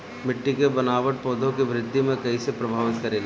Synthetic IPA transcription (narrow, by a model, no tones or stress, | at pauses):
mɪʈːikebɐnaːʋəʈ̚pɔːd̪ʱõkiʋɾɪd̪ʱːimẽkɐisepɾɐbʱaːʋɪt̪kɐɾeːle